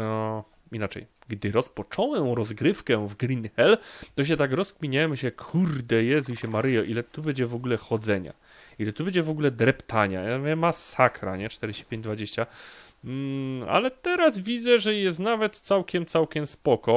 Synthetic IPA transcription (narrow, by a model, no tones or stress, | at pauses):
ɔ | inat͡ʂɛ̰j | ɡd̪ɘɾɔspɔt͡ʂɔwɛmɾɔzɡɾɘfkɛvɡɾʲinxɛlt̪ɔɕ̬ɛt̪akɾɔskmʲiɲamɕɛkʰuɾd̪ɛjɛzuɕɛmaɾɘjɔʔilɛt̪ubɛd͡ʑɛvɔɡulɛxɔd̪zɛɲa̰ | ilɛt̪ubɛd͡ʑɛvɔɡulɛd̪ɾɛpt̪ʰaɲa̰vɛmasakɾa̰ɲɛt͡ʂt̪ɛɾɛd͡ʑeɕt͡ɕi̥pʲẽɲd͡ʑd̪vad͡ʑeɕt͡ɕa | a̰lɛt̪ɛɾazvʲid̪zɛʐɛjɛst̪navɛt̪t̪sawkʲɛmt̪sawkʲɛmspɔkɔ